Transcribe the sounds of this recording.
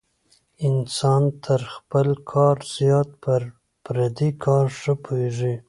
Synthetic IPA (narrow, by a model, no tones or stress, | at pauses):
ɪnsɑnt̪ʰəɾxpəlkʰɑɾz̥jɑt̪̚pəɾ | pɾad̪ikʰɑɾʂəpʰoeʐi